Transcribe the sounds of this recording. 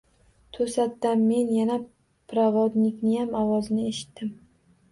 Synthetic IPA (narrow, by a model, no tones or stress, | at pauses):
t̪ʰɵsat̪ːanme̞njana | pɾavɒd̪nɪkʲnɪjamɒwɒznɪeʃɪ̥t̪ːɪm